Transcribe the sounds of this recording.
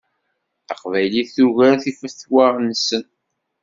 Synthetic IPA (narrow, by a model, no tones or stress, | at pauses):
θɑqvæjliθuʝæɾθifəθwaʁnsən